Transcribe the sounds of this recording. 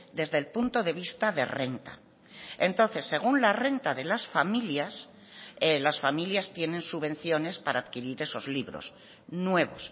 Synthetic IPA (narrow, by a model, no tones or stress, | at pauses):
d̪e̞zðelpunt̪o̞ðe̞β̞ist̪aðe̞̰re̞nt̪a̰ | ent̪o̞nθe̞sːe̞ɣ̞unlare̞nt̪aðe̞lasfamiljas | elasfamiljast̪je̞nẽ̞nsuβe̞n̟θjo̞ne̞spaɾaːðkiɾiɾe̞so̞zliβɾo̞̰s | nwe̞β̞o̞s